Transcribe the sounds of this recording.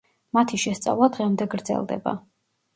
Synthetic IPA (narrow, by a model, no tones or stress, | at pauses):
mat̪ʰiʃɛst̪sʼa̰vlˠad̪ʁɛmd̪ɛɡɾd̪zɛ̰lˠd̪ɛ̰ba̰